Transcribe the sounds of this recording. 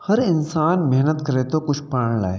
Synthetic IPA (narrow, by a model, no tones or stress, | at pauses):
həɾɪnsaːnmɛɦnət̪kəɾet̪okʊt͡ʃʰpaɳ̃la̰ːe